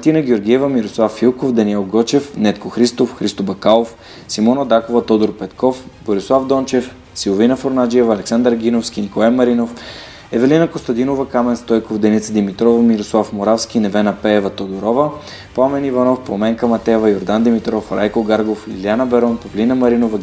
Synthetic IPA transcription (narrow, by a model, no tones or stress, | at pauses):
mt̪inəɡ̟ʲɛoɾɡʲiɛvəmiɾoslˠafːilˠkofd̪ɐniɛlˠɡɔt͡ʃɛfnɛt̪koxɾist̪ofxɾist̪obɐkalˠof | simɔnɐd̪akovɐt̪ɔd̪oɾpɛt̪kɔfboɾislˠavd̪ɔnt͡ʃɛf | silˠovinɐfoɾnad͡ʒiɛvɐlɛksand̪ɾɡʲinofskʲinikolˠajmɐɾinof | ɛvɛlinɐkost̪ɐd̪inovɐkamɛnst̪ɔjkofd̪ɛnit̪səd̪imit̪ɾɔvɐmiɾoslˠafmoɾafsk̟ʲinɛvɛnɐpɛːvɐt̪od̪oɾɔvə | pamɛnivɐnɔfpˠomɛŋkəmɐt̪ɛvɐjoɾd̪and̪imit̪ɾɔfɾajkoɡaɾɡoflḭlianɐbɛɾɔnpɐvlinɐmɐɾinovɐ